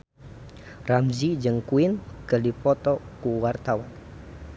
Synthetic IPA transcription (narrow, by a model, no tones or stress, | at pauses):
ramzid͡ʒɨŋkuɪnkədipɔt̪ɔkuwart̪awan